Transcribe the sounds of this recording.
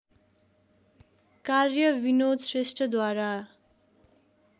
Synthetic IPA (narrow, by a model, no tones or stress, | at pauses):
karjʌbinod̪sresʈʌd̪waɾa